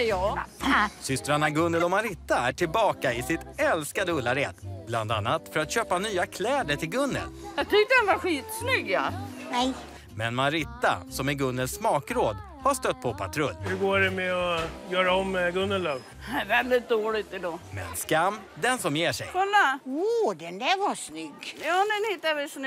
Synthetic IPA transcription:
jɑː | sʏst̪ɾanaɡɵnːəlɔmaɾɪt̪ːaæʈʰɪlbɑːkaɪsɪt̪ɛlskad̪əɵlːaɾḛːd̪bland̪a̰nːat̪fœɾat̪ɕøːpanyːakʰlɛːd̪əʈʰɪlɡɵnːə̰ljɑt̪ʰʏk̚t̪ədɛnvaɧiːt̪snʏɡjanɛj | mɛnmaɾɪt̪ːa̰sɔmɛɡɵnːəlsmɑːkɾoːd̪ | haʂt̪œt̪̚ːpʰɔpʰat̪ʰɾɵlːhɵɡoːɾɛmɛɔjœːɾaɔmɡɵnːəlɔv | vɛld̪ɪt̪̚d̪oːlɪt̪ɛd̪ɔmɛ̰nskamː | d̪ɛnsɔmjeːʂɛ̰jɔlːaod̪ɛnd̪ɛɾvasnʏɡːjɑːnɛnhɪt̪ːaʋɛsn

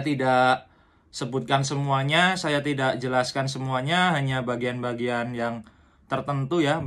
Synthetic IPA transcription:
t̪idaʔ | səbʊt̪̚kansəmuaɲasajat̪idak̚d͡ʒəlaskansəmuaɲaɦaɲabaɡianbaɡianjaŋ | t̪ərt̪ənt̪uja

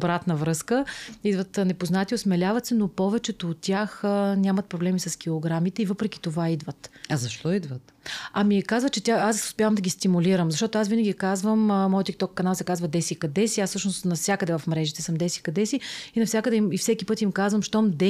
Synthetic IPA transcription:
obɾat̪nəvɾɤskəid̪vət̪nɛpoznat̪ʲiosmɛlʲavɐt̪sɛnopɔvɛt͡ʃɛt̪oːt̪ʲːjaxənʲamɐt̪̚pɾoblɛmisɐsk̟ilˠoɡɾamit̪ɛivɤpɾɛk̟ʲi̥t̪ovaid̪vət̪ɐzɐʃt̪ɔid̪vət̪ | ɐmikazvət͡ʃɛt̪ʲjaaso̥spʲjavəmd̪əɡʲist̪imuliɾəmzɐʃt̪ɔt̪oasvinəɡʲikazvəmmɔjət̪ik̚t̪ɔkːɐnalˠsɛkazvɐd̪ɛsikɐd̪ɛsiassɤʃnost̪nɐfsʲakəd̪ɛvɐfmɾɛʒit̪ɛsɤmd̪ɛsi̥kɐd̪ɛsiinɐfsʲakəd̪ɛimifsɛkʲipɤt̪imkazvəmʃt̪ɔmd̪ɛ

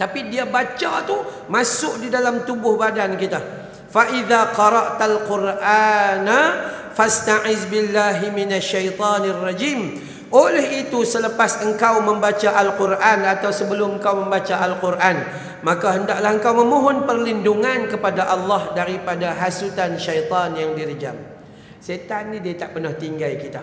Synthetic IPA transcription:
t̪apidiabat͡ʃat̪u | mãsʊk̚didalamt̪ubʊhbadankit̪a | faʔiðaqɑɾɑʔt̪alqʊrʔanafast̪aʕɪzbilːaɦiminaʃːajt̪ˤɑnarˤːɑd͡ʒiːm | ʔolɛhit̪usələpasəŋkawmə̃mbat͡ʃaʔalqurʔanat̪awsəbəlʊməŋkawmə̃mbat͡ʃaʔalqurʔan | mãkaɦəndaʔlahəŋkawmə̃muɦʊnpərlinduŋankəpadaʔɑlːɑhdaɾipadaɦasut̪anʃajt̪ˤɑnjaŋdiɾəd͡ʒa̰m | set̪anidiat̪aʔpərnaht̪iŋɡaikit̪a

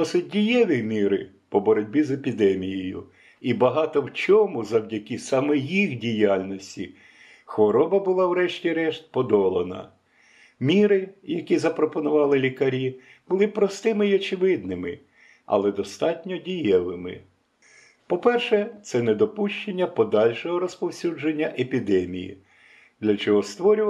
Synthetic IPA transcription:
d̪ɔsɪt̚ʲdʲijɛʋʲimʲiɾɪ̰ | pɔbɔɾɔdʲbʲizepʲid̪ɛmʲijejʊ̰ | ibɐɦɑt̪ɔwt͡ʃʲɔmʊzɐwdʲɐkʲisɑmɛjixdʲijɑlʲnɔsʲtʲḭ | xʋɔɾɔbɐbʊlˠɑwɾɛʃtʲiɾɛʃt̪̚pɔd̪ɔlˠɐnɐ̰ | mʲiɾɪjɐkʲizɐpɾɔpɔnʊʋɑlˠɪlʲikɐɾʲi | b̥ʊlˠɪpɾɔst̪ɪmɪiɔt͡ʃɪʋɪd̪̚nɪmɪ | ɐ̰lˠɛd̪ɔst̪ɑtʲnʲɔdʲijɛlˠɪmɪ̰ | pɔpɛrʃɛt̪sɛnɛd̪ɔpuʃt͡ʃenʲːɐpɔd̪ɑlʲʃɔɦɔɾɔspɔwsʲud͡ʒenʲːɐʔepʲid̪ɛmʲḭjḭ | d̪lʲɐt͡ʃɔɦɔst̪ʋɔɾʲʊʋ

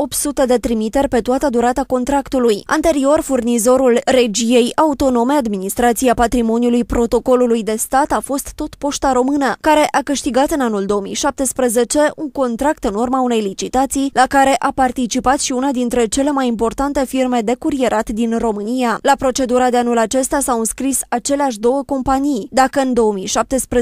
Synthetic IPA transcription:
o̞pt̪sut̪e̞d̪e̞t̪ɾimit̪e̞rʲpe̞t̪uat̪əd̪uɾat̪ako̞nt̪ɾakt̪uluja̰nt̪e̞ɾio̞rfurnizo̞ɾulre̞d͡ʒije̞jaut̪o̞no̞me̞ad̪minist̪ɾat̪siapat̪ɾimo̞njulujpɾo̞t̪o̞ko̞lulujd̪e̞st̪at̪afo̞st̪ːo̞t̪po̞ʃt̪aɾo̞mɨnəkaɾe̞ʔakɨʃt̪iɡat̪ɨnanuld̪o̞omḭjʃap̚t̪e̞spɾeze̞t͡ʃe̞uŋko̞nt̪ɾakt̪ɨnurmaune̞jlit͡ʃit̪at̪sijlakaɾe̞ʔapart̪it͡ʃipat̪ʃiunad̪int̪ɾe̞t͡ʃe̞le̞majimpo̞rt̪ant̪e̞firme̞d̪e̞kuɾie̞ɾʔat̪d̪inro̞mɨnijalapɾo̞t͡ʃe̞d̪uɾad̪e̞anulat͡ʃe̞st̪asawɨnskɾisat͡ʃe̞leaʃ̬d̪o̞wəko̞mpanijd̪akəɨnd̪o̞əmijʃap̚t̪e̞spɾ

